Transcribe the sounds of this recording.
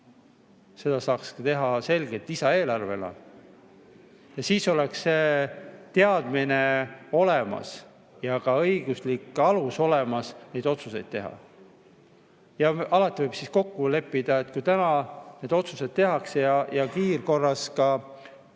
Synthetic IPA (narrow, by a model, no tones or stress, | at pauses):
se̞d̪̥ɑsɑːkskɑt̪e̞ɦɑse̞lɡe̞lt̪ːˑisɑe̞ːlɑrve̞lɑ̰ | jɑsiːso̞leksːe̞t̪e̞ɑd̪̥mine̞o̞le̞mɑ̰s | jɑkɑɤjɡ̥uslikːˑɑluso̞le̞mɑsne̞jd̪o̞t̪suse̞jd̪̥̚t̪e̞ɦɑ̰ | jɑɑlɑt̪ːˑivɤjb̥sisko̞kːule̞pːid̪̥ɑe̞t̪ːˑkujt̪ænɑne̞ːd̪̥o̞t̪suse̞d̪̚t̪e̞ɦɑksejɑjɑkiːrko̞rːɑskɑ